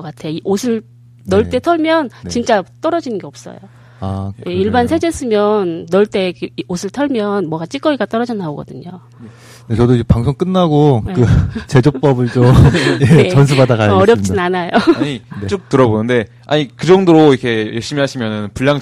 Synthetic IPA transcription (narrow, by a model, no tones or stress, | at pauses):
k͈atʰe̞joiʔosʰɯɭ | nʌɭt͈e̞tʰʌɭmjʌnt͡ɕint͡ɕ͈at͈ʌɾʌd͡ʑinɯnɡe̞ʌp̚s͈ʌ̰jo | ajʔeiɭbansʰe̞d͡ʑes͈ɯmjʌnːʌɭt͈e̞osʰɯɭtʰʌɭmjʌnmwʌɡat͡ɕ͈ik͈ʌiɡat͈ʌɾʌd͡ʑinaoɡʌdɯɲo | net͡ɕʌdoid͡ʑepaŋsʰoŋk͈ɯnːaɡokɯt͡ɕe̞d͡ʑop͈ʌbɯɭt͡ɕomeet͡ɕʌns̬ʰubadakajʌɾjʌp̚t͡ɕ͈inanajoɲiet͡ɕ͈ok̚tɯɾʌbonɯnde̞ | a̰ɲikɯd͡ʑʌŋdoɾoikʰe̞jeɭɕ͈imiɦaɕʰimjʌnɯnpuʎːaŋ